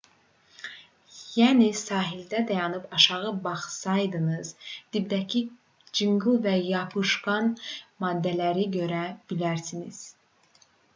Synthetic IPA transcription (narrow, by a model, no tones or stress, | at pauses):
jænisɑːɦild̪æd̪æjɑnɯpʰɑʃɑʁɯbɑχsɑjd̪ɯnɯz̥d̪̥ibd̪æcʰi | d͡ʒɯŋɡɯlˠvæjɑpʰɯʃɡɑnmɑːd̪ːælæɾiɟø̞ɾæb̥ilæɾsiniz̥